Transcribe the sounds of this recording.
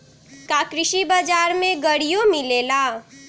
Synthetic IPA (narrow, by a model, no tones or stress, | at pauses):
kakɾɪʃibad͡ʒaɾmeɡəɽijomilela